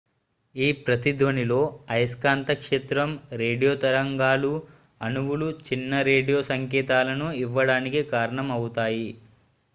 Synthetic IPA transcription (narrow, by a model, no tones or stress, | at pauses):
iːpɾɐt̪id̪ʋɐnilo̞ːɐjskaːnt̪ɐkʂeːt̪ɾɐmɾe̞ːɖijoːt̪ɐɾɐŋɡaːlu | ɐnuʋuɭut͡ʃinːɐɾe̞ːɖijoːsɐŋkɛːt̪aːlɐnuiʋːɐɽaːnikikaːɾɐɳɐmɐwut̪aːji